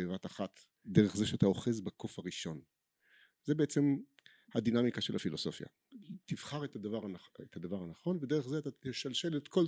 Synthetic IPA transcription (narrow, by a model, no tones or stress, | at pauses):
evat̪aχat̪ | d̪eʁeχzeʃeat̪ao̞χe̞zbakʰo̞faʁiʃo̞n | zebeet͡se̞m | had̪inamikaʃe̞lhafilo̞so̞fja̰ | t̪iv̥χaʁet̪adavaʁanet̪had̪avaʁhanaχo̞nvedeeχzeat̪at̪eʃalʃe̞letko̞l